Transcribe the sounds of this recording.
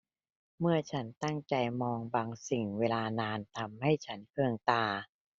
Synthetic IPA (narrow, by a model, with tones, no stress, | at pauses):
mɯ˥˩ɐt͡ɕʰa˦˥nt̪a˥˩ŋt͡ɕa˧jmɔː˧ŋbaː˧ŋsi˨˩ŋweː˧laː˧naː˧nt̪ʰa˧mha˥˩jt͡ɕʰa˦˥nkʰɯ˧əŋt̪aː˧